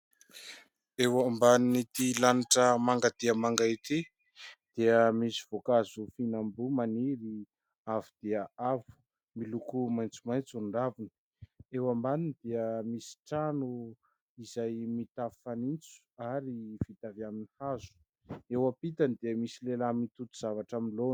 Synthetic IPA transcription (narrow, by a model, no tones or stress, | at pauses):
ewambaninit̪ilaniʈ͡ʂəmaŋɡad̪̥iəmaŋɡait̪i | d̪̥eəmisi̥v̥okazufinambumaniɾi | avud̪̥eəavu̥ | milukumajnt͡sumajt͡suɳɖ͡ʐavini̥ | ewambaninid̪eəmisi̥ʈ͡ʂanu | izajmit̪afi̥fanint͡su̥aɾiv̥it̪avjaminihazu̥ | ewapit̪anid̪eəmisilelamit̪ut̪u̥z̥avaʈ͡ʂaminlon